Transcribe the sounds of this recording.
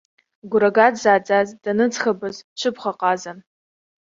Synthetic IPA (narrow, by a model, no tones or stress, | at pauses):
ɡʷʊɾaɡadzaːd͡zʼazd̥anɨd͡zxabɨzt͡ʃʰɨpχaqʼazan